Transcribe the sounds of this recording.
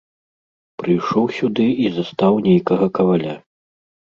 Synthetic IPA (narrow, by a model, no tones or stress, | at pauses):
pɾɨjʂɔwsʲud̪ɨizast̪awnʲejkɐɣɐkɐvalʲa